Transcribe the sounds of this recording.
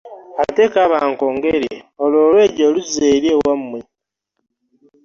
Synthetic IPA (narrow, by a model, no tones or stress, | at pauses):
atekaβaːŋkoːŋɡeɾeoloːlwe̞ːɟoluzeːɾjewamwe